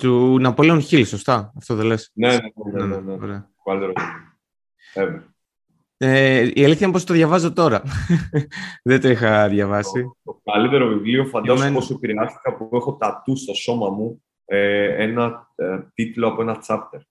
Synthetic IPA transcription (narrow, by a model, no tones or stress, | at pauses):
t̪unɐpolionçiliso̞st̪ɐːft̪oðele̞sneneeneneneneo̰ɾeɐokɐlit̪eɾovivlio | eve | eieliθçɐmpost̪oðʝɐvɐzo̞t̪o̞ɾɐ | ðet̪oixɐðʝɐvɐsit̪okɐlit̪e̞ɾo̞vivlio̞fɐnɐmeposuepiɾeɐst̪i̥kɐpuexo̞t̪ɐt̪ust̪o̞so̞mɐmu | eenɐt̪it̪loɐpoe̞nɐt͡sɐpt̪eɾ